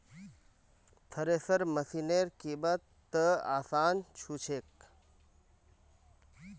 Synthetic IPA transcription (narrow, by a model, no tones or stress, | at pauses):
t̪ʰəɾeːsəɾməsineːɾkiːbət̪ː | əa̰ːsaːnt͡ʃʰuːt͡ʃʰeːk̚